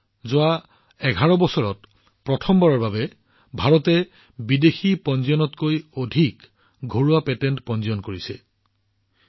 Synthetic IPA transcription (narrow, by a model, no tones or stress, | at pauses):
zʊa | ɛɡʱaɹɔbɔsɔɹɔt | pɹɔtʰɔmbɔɹɔɹbabɛ | bʱaɹɔtɛ | bidexipɔnzijɔnɔtkojodʱik | ɡʱoɹuapɛtɛntpɔnziɔnkoɹisɛ